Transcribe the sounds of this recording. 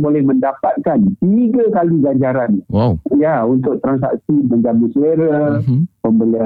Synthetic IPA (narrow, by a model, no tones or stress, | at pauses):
bolɛhmə̃ndapat̪̚kant̪iɡakaliɡaɲd͡ʒaɾanjaunt̪ʊk̚t̪ɾans̬a̰k̚siməɲd͡ʒamuseɾapəmbəlia